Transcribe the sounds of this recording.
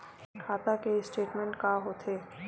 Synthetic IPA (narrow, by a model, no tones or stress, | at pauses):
kʰaːt̪akesʈeːʈmɛ̃ɳʈkaːɦoːt̪ʰeː